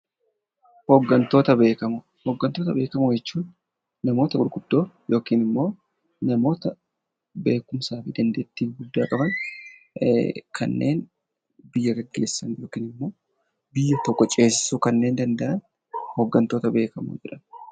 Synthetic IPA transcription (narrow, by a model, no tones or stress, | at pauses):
hoɡːɐnt̪o̞ːt̪ɐbe̞ːkɐm | hoɡːɐnt̪o̞ːt̪ɐbe̞ːkɐmʊd͡ʒɛt͡ʃːuːn | nɐmo̞ːt̪ɐɡʊɾɡʊd̪̥ːo̞ːjo̞ːkiːnɪmːo̞ː | nɐmo̞ːt̪ɐ | be̞ːkʊmsaːfiːd̪ɐnd̪eːt̪ːiːɡʊd̪ːaːkʼɐbɐn | kʰɐ̰nːḛːn | bɪjːɐɡɐɡːe̞ːsːɐnjo̞ːkiːnɪmːo̞ː | bɪjːɐt̪ɔkːɔt͡ʃʼe̞ːsɪ̥suːkɐnːe̞ːnd̪ɐnd̪ɐʔɐn | hoɡːɐnt̪o̞ːt̪ɐbe̞ːkɐmṵd͡ʒɛᶑɐn